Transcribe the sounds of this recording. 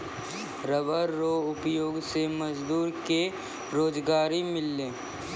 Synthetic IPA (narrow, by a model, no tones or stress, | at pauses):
ɾəʋəɾːoʊpjoːɡsemɐd͡ʒd̪uːɾke | ɾoːd͡ʒɡaːɾimɪlːẽː